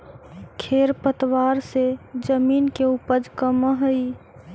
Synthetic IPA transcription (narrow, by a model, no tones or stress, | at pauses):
kʰeɾpət̪waɾsed͡ʒəminkeupəd͡ʒkəməɦəi